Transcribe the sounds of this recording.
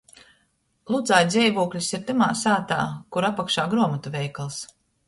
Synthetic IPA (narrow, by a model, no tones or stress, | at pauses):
lˠud̪zaːjd̪zʲɛjvuɔklʲisiɾt̪ɨmaːsaːt̪a̰ːkuɾapːakʃaːɡɾuɔmat̪uvʲɛjkalˠs